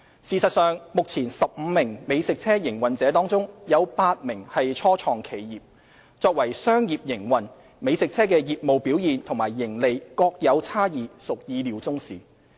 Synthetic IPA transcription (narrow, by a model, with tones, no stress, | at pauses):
siː˨˩sɐ˨t̚sœː˨ŋmʊ˨k̚t͡sʰiː˨˩nsɐ˨p̚m̩ː˨˧mɪ˨˩ŋme˨˧jsɪ˨k̚t͡sʰɛː˥jɪ˨˩ŋwɐ˨nt͡sɛː˨˥t̪ɔː˥ŋt͡sʊ˥ŋjɐ˨˧wpaː˧t̚mɪ˨˩ŋhɐ˨jt͡ʃʰɔː˥t͡ʃʰɔː˨ŋkʰe˨˩jjiː˨p̚ | t͡sɔː˧k̚wɐ˨˩jsœː˥ŋjiː˨p̚jɪ˨˩ŋwɐ˨˩n | me˨˧jsɪ˨k̚t͡sʰɛː˥kɛː˧jiː˨p̚mo˨wpi˨˥wjiː˨nt̪ʰʊ˨˩ŋmaː˨˩jːɪ˨˩ŋle˨jkɔː˧k̚jɐ˨˧wt͡sʰaː˥jiː˨˧sʊ˨k̚jiː˨˧liː˨˧wt͡sʊ˥ŋsiː˨